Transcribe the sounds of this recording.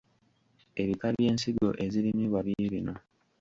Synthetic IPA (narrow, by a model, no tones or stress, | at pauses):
e̞βikalje̞ːnsiɡo̞̰ʔe̞ziɾimiβaβiiɾino̞